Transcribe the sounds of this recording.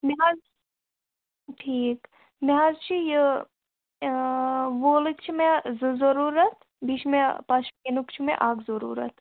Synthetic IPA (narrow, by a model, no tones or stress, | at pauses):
meɦaz | ʈʰiːk | meɦazt͡ʃʰijə | ʋoːlɨk̚t͡ʃʰimezɨzɐɾuːɾɐt̪ | biʃʰmẽpɐʃʰkenukt͡ʃʰimḛ̃ʔaːɡzɐɾṵːɾɐ̰t̪ʰ